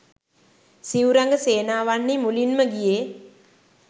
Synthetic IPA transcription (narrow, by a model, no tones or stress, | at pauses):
siuɾaŋɡəseːnaːʋanːimulinməɡije